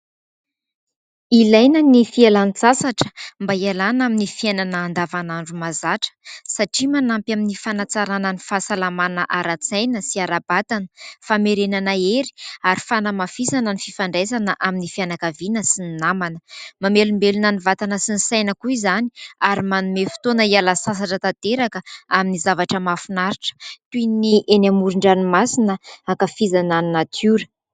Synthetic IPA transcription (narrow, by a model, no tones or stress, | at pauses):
ilajnənifialant͡sasaʈ͡ʂə̥mbaialanaminifiajnanaːnd̪avanaɳɖ͡ʐumazaʈ͡ʂə̥saʈ͡ʂimanampjaminifanat͡saɾanənifasalamanəʔaɾat͡sajnəsiaɾabat̪anə̥fameɾenanaeɾi̥aɾifanəmafizanənififaɳɖ͡ʐezanəʔaminifianakavinəsinnamanəmamelumbelunanivat̪anəsinisajnəkuizaniaɾimanumefi̥t̪onəialasas̬aʈ͡ʂət̪at̪eɾakəaminizavaʈ͡ʂəmafunaɾiʈ͡ʂə̥t̪uiniʔenamuɾuɳɖ͡ʐanimasinəakafizananinat̪ʰuɾə̥